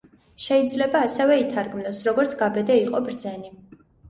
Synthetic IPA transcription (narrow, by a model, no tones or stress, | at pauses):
ʃɛid̪zlɛbaːsɛvɛit̪ʰaɾɡmnɔsɾɔɡɔɾt̪sʰɡ̥abɛd̪ɛiqʼɔbɾd̪zɛni